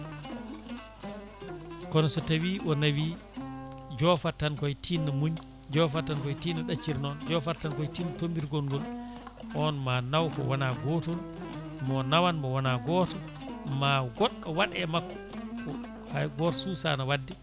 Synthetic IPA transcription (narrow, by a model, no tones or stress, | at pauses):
kɔnɔsɔtawiːʔɔnawiː | d͡ʒɔfatːankɔjtʰinːamuɲ | d͡ʒɔfatːankɔjtinaɗat͡ʃːiɾnɔnd͡ʒɔfatankɔjtinatombiɾɡɔnɡɔl | ʔɔnmanawkɔ̰wanaɡɔtɔn | mɔnawanmɔwanaɡɔːtɔ | maɡɔɗːɔwaɗɛmakːɔ̥ | kɔ | haɡɔːtɔ̥suːsa̰nawadːɛ